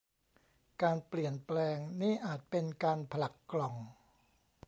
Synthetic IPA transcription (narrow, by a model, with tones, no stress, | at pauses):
kaː˧npli˨˩ənplɛː˧ŋniː˥˩ʔaː˨˩t̪̚pe˧nkaː˧npʰa˧la˨˩kːlɔ˨˩ŋ